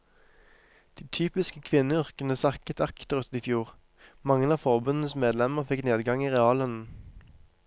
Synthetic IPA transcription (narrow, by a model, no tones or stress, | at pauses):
d̪̥iːt̪ʰyːpɪskəkʰʋɪnəʏʁkənəsɑkət̪ʰɑkt̪əʁʉt̪iːfjuːʁ | mɑŋənɑːfɔʁbʉnn̩əsmeːd̪lɛməʁfɪkneːd̪ɡɑŋiːʁɛɑːlœnn̩